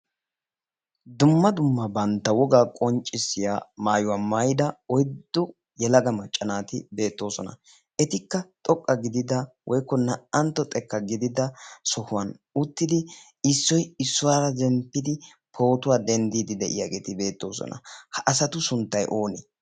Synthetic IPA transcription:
d̪ʊmːɐd̪ʊmːɐbɐnt̪ːɐwɔɡaːkʼɔnt͡ʃʼːɪsːɪjaːmaːjʊwaːmajɪd̪ɐɔjd̪ːɔ | jɛlɐɡɐmɐt͡ʃʼːɐnaːt̪ɪbe̞ːt̪ːo̞ːsɔnɐ̰ | ʔɛt̪ɪkːɐt̪ʼɔkʼːɐɡɪd̪ɪd̪ɐwʔɔjkːɔnɐɐnt̪ːɔt̪ʼɛkːɐɡɪd̪ɪd̪ɐsɔhʊwɐnʊt̪ːɪd̪ɪ | ɪsːɔjɪsːʊwaːɾɐzɛmpːɪd̪ɪ | pʰo̞ːt̪ʊwaːd̪ɛnd̪iːd̪ɪd̪ɛʔɪ̰jaɡeːt̪ɪbe̞ːt̪ːo̞ːsɔ̰nɐ̰hɐʔɐsɐt̪ʊsʊnt̪ːɐjʔo̞ːnɛ

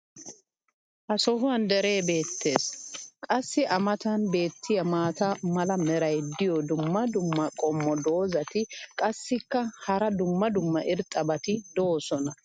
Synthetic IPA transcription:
ʔɐsɔɦʊɐnd̪ɛɾe̞ːbe̞ːt̪ʰːe̞ːskʼɐsːɪʔɐmɐt̪ɐnbe̞ːt̪ːɪjɐmaːt̪ɐmɐlɐmɛɾɐjd̪ɪjɔd̪ʊmːɐd̪ʊmːɐkʼɔmːɔd̪o̞ːzɐt̪ɪkʼɐsːɪkːɐhɐɾɐd̪ʊmːɐd̪ʊmːɐʔɪɾt̪ʼːɐbɐt̪ɪd̪oːsɔnɐ

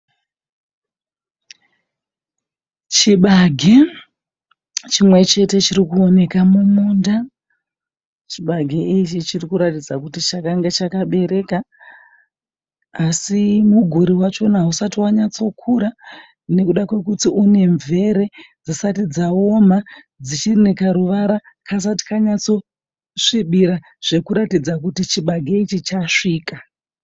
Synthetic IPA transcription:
t͡ʃiɓaɡʱe | t͡ʃimwe̞t͡ʃe̞te̞t͡ʃiɾikuo̞ne̞kamumuːnda | t͡ʃiɓaɡʱeit͡ʃit͡ʃirikuɾatid͡zakutit͡ʃakaŋɡet͡ʃakaɓe̞ɾe̞ːka | asimuɡʱuɾiwat͡ʃo̞nausatiwaɲat͡so̞kʰuɾa | ne̞kuɗakwe̞kutiune̞ɱvʱe̞ɾe̞d͡zisatid͡zao̞ma | d͡zit͡ʃirnekaɾuʋaɾa | kʰas̬ati̥kaɲat͡so̞ | ʂiɓiɾa | ʐ̥e̞kuɾatid͡zakutit͡ʃiɓaɡʱeit͡ʃit͡ʃaʂiːka

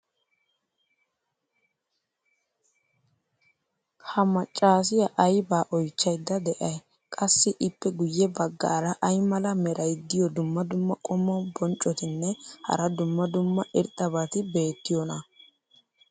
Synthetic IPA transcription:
hɐmɐt͡ʃʼːaːs̬ɪjɐʔɐjbaːʔɔjt͡ʃːɐjd̪ːɐd̪ɛʔɐj | kʼɐsːɪʔɪpːɛɡʊjːɛbɐɡːa̰ːɾɐʔɐjmɐlɐmɛɾʔɐjd̪ːɪjɔd̪ʊmːɐd̪ʊmːɐkʼɔmːɔbɔnt͡ʃʼːɔt̪ɪnːɛhɐ̰ɾɐd̪ʊmːɐd̪ʊmːɐʔɪɾt̪ʼːɐbɐt̪ɪbe̞ːt̪ːɪjɔnɐ

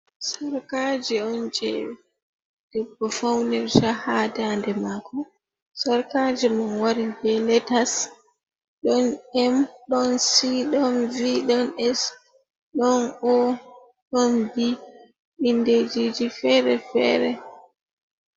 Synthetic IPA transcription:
saɾkad͡ʒɛɔnd͡ʒɛ̰ | d̥ɛbːɔfawnɛɾd͡ʒahaːdandɛmaːkɔ | saɾkad͡ʒɛmanwaɾibɛlɛtas | ɗɔnɛmɗɔnsiɗɔnviɗɔnɛs | ɗɔnɔ | ɗɔnbi | inded͡ʒid͡ʒifɛɾɛfɛ̰ːɾɛ

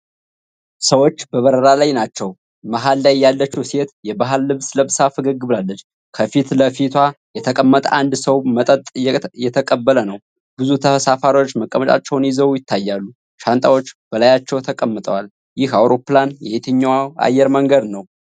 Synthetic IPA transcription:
səwo̞t͡ʃːbəβəɾəɾalajnat͡ʃːɛw | maɦalːajːalːət͡ʃːwset̪jɛbaɦɨlːɨβsləβsafɨɡəɡːɨβlalːət͡ʃː | kʰəfit̪ləfit̪ʰwajɛt̪ʰəkʼəmːət̪ʼand̪səwmət̪ʼət̪ʼjjɛt̪ʰəkʼəbːələnəw | bɨzut̪ʰəfəsafaɾwot͡ʃːməkʼːəmət̪ʼa̰t͡ʃːɛwnjiɪzəwjɪt̪ʰːajːalːu | ʃant̪ʼawo̞t͡ʃːb̥əlajat͡ʃːɛwt̪ʰəkʼəmːət̪ʼəwal | jɪhawɾo̞pːlanjɛhet̪ʰɨɲːwaa̰jːɛɾməŋɡəd̪nəw

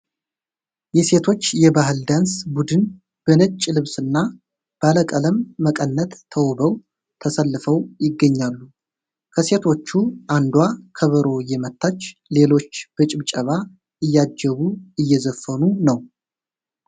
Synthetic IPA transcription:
jɛse̞t̪ʰo̞t͡ʃːjɛbaɦɨld̪ansbud̪ɨn | b̥ənɨt͡ʃʼːlɨβsɨnːa | b̥aləkʼələmːəkʼənːət̪ʰːəwbəw | t̪ʰəsəlːɨfəwjɪɡːəɲːalːu | kʰəse̞t̪ʰo̞t͡ʃːuʔand̪wakʰəβəɾo̞jɛmət̪ʰːat͡ʃːle̞lo̞t͡ʃːb̥ət͡ʃʼɪβt͡ʃʼəβa | ʔɨjːad͡ʒːɛβuɨjːɛzəfːənunəw

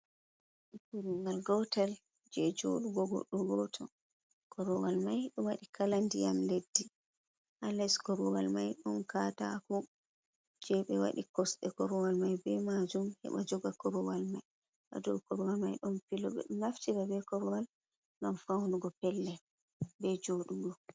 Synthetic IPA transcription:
kuɾiŋɡalɡɔtal | d͡ʒɛd͡ʒo̰ɗuɡɔɡɔ̰ɗːɔɡɔtʰɔ̰ | kʰɔɾɔwalmajɗɔwaɗikʰalandijamledːi | ʔalɛskɔɾɔwalmajɗɔnkata̰ku | d͡ʒɛɓɛwa̰ɗikɔsɗɛkɔɾɔwalmajbɛmad͡ʒumhɛ̰ɓa̰d͡ʒɔɡakɔɾɔwalmaj | ʔa̰dɔwkɔɾɔwalmajɗɔnfilɔbɛ̰ɗɔnaftiɾabɛkɔɾɔwal | ɗɔnfawnuɡɔpɛlːɛ | bɛd͡ʒoɗuɡɔ

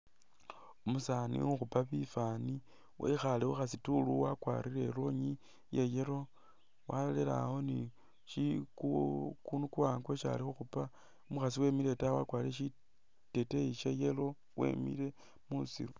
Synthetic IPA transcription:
omusanḭuxupaβifani | wḛxalixuxasituluwakwa̰ɾiɾe̞ɾo̞ɲi | jejeɾo̞ | walolela̰ho̞ni | ʃikukunukuwaŋɡweʃa̰lixuxupa | omuxasiwe̞ːmiɾe̞tawakwaːɾiɾeʃi | te̞teiʃejelo̞ | we̞̰mḭɾe̞ | musḭɾu

